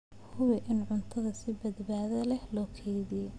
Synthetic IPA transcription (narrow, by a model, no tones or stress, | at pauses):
hʊβɪʔɪnʕʊnt̪ʰɐðɐsɪbɐd̪baːðɐlɛhlɔːkʰɛðɪjɛ